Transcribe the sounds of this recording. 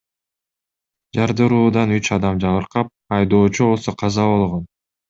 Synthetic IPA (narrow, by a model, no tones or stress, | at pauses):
d͡ʒɑɾd̪ɯɾuːd̪ɑnyt͡ʃɑd̪ɑmd͡ʒɑβɯɾqɑp̚ɑjd̪o̞ːt͡ʃuβo̞lˠso̞qʰɑzɑβo̞lˠʁon